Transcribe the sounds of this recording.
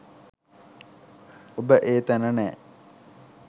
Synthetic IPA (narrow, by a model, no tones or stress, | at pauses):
obəʔeːt̪ænənɛ̰ː